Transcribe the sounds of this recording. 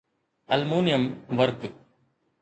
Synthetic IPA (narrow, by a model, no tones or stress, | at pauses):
ɐlmuːnɪjɐmʋɐɾk